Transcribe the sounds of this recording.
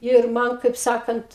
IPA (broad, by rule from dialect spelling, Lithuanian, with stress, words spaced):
ɪr ˈmɐn kɐɪp ˈsɑːkɐnt